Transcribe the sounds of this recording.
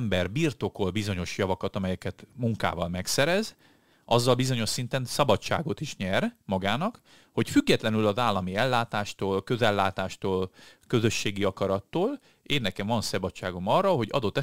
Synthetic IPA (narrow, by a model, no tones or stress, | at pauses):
mbɛrbirt̪o̞ko̞lbizo̞ɲo̞ʃjɒvɒkɒt̪ɒmɛjɛkɛt̪muŋka̰ːvɒlmɛksɛɾɛz | ɒzːɒlbizo̞ɲo̞ʃsin̪t̪ɛnsɒbɒt͡ʃːa̰ːɡo̞t̪iʃɲɛrmɒɡaːnɒk | ho̞cfyɡːɛt̪lɛnylɒzaːlːɒmiɛlːaːt̪aːʃt̪oːlkø̞zɛlːaːt̪aːʃt̪oːlkø̞zø̞ʃːeːɡiɒkɒɾɒt̪ːoːl | eːnːɛkɛɱvɒnsɒbɒt͡ʃːaːɡo̞mɒrːɒɦo̞ɟɒ̰d̪o̞t̪ːɛ